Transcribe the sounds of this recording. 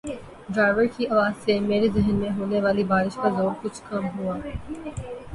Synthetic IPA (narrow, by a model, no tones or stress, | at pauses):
ɖɾaːɪʋəɾkiɐʋaːzsemeːɾezɪɦnmẽɦoːneʋaːlibaːɾɪʃkazoːɾkʊt͡ʃʰkɐmɦuaː